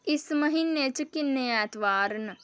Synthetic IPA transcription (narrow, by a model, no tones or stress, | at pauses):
ismɐɦinːet͡ʃkinejaːt̪ʋaːɾn